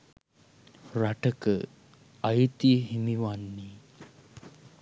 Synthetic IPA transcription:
raʈəkə | ajt̪iɦimiʋanːi

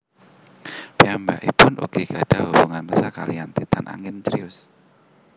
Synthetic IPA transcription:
piamba̰ʔipʊnʔṵɡ̥iɡad̥aɦubuŋanpəsaka̰liant̪it̪anʔa̰ŋɪnt͡ʃɾiʊs

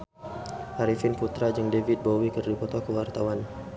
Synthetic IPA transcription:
haɾifɪnput̪ɾad͡ʒəŋdevit̪̚bowikərdipɔt̪ɔkəwart̪awan

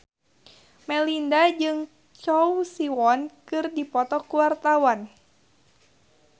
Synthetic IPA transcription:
mɛlindad͡ʒɨŋ | t͡ʃɔwsiwɔnkɨrdipɔt̪ɔkuwart̪awan

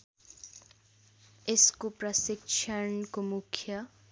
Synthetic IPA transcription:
ɪskopɾʌsɪkʃʰənkomukʰjʌ

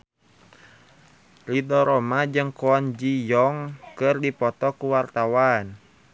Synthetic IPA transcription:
lidɔɾɔmad͡ʒɨŋkɔɔnd͡ʒijɔŋkɨrdipɔt̪ɔkuwart̪awan

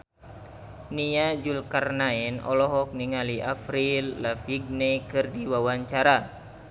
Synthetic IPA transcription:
niad͡ʒulkarnaɛnɔ̰lɔɦɔk̚niŋaliʔafɾilːafiɡ̚nɛkɨrdiwawaɲt͡ʃaɾa

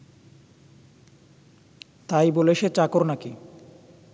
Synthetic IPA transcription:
t̪ajboleʃet͡ɕakoɾnaki

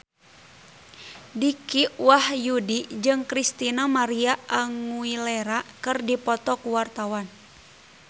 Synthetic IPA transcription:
dikiwahjudid͡ʒɨŋkɾist̪inamaɾiaaŋuilɛɾakɨrdipɔt̪ɔkuwart̪awan

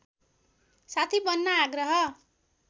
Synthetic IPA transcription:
sat̪ʰibʌnːaaɡrʌɦʌ

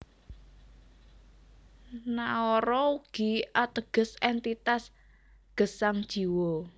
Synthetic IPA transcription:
naɔɾɔuɡ̥iʔat̪əɡ̥ə̤sɛnt̪it̪as | ɡ̥ə̤saŋd̥ʒ̥i̤wo

